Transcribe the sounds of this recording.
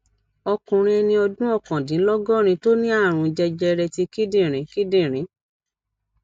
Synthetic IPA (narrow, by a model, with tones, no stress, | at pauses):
ɔ˧kũ˨ɾ̃ĩ˧ɛ˧nĩ˧ɔ˧dũ˦ɔ˦˨kã˨dĩ˨˦lɔ˦ɡɔ˦˨ɾ̃ĩ˧to˦nĩ˦a˦˨ɾ̃ũ˨˧d͡ʒɛ˧d͡ʒɛ˧ɾɛ˧ti˧ki˦dĩ˦˨ɾ̃ĩ˨˦ki˦dĩ˦˨ɾ̃ĩ˨˦